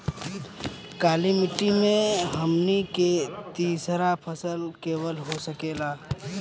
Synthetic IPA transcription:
kaːlimɪʈːimẽɦɐmniket̪iːsɾapʰəsəlkeːwəlɦosəkeːlaː

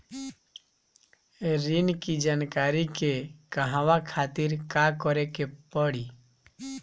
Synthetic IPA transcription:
ɾinkid͡ʒankaɾikekaɦãwakʰat̪iɾkakɔɾɛkepɔɽi

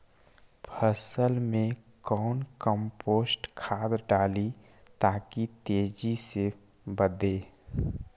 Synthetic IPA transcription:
pʰəsəlmẽkɔːnkəmpoːsʈkʰaːd̪ɖaːli | t̪aːkit̪eːd͡ʒise | bəd̪eː

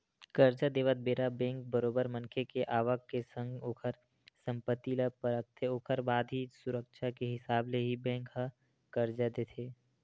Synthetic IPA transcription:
kəɾd͡ʒad̪eːʋət̪̚beːɾabɛ̃ːŋk̚bəɾoːbəɾmə̃nkʰekeʔaːʋəkːesə̃ŋɡoːkʰəɾ | sə̃mpət̪iːlapəɾək̚t̪ʰeoːkʰəɾbaːd̪ʱisʊɾəkʃakeɦɪsaːbleɦibɛ̃ːŋkɦəː | əɾd͡ʒad̪eːt̪ʰeː

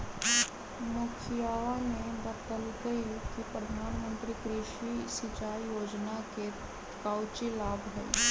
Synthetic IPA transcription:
mʊkʰijaːʋamẽbət̪əlkəiɾuːpkipɾəd̪ʱaːnmə̃nt̪ɾikɾɪʃisɪt͡ʃaːijoːd͡ʒnake | kaːʊt͡ʃilaːbʱɦɛi

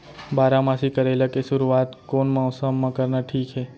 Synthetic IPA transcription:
baɾamãsikəɾelakeʃʊɾuat̪konmawsəmːãkəɾnaʈʰiːkɦe

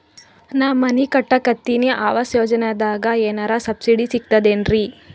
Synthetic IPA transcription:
naːmːɐnikɐʈːɐkɐt̪ːineʔaːʋɐsjoːd͡ʒɐned̪aːɡɐeːnaːɾasɐbsiɽisik̚t̪ɐd̪eːnɾi

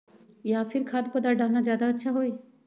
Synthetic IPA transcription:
jaːfʰɪɾkʰaːd̪̚pəd̪aːɖaːnaːzjaːd̪aətːʃʰaːɦoːiː

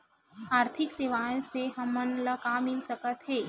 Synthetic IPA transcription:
aːɾt̪ʰɪkseːʋaːjõseɦɐmːɐnləkaːmːɪlsəkət̪ɦeː

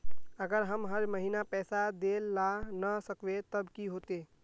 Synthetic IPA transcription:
əɡəɾɦəmɦəɾməɦinapɛːsad̪elːanəsəkʋet̪əbkiɦoːt̪e

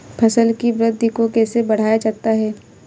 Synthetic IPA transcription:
pʰɐsəlkiʋɾɪd̪ʱːikokɛːsebɐɽ̤aːjad͡ʒaːt̪aɦɛː

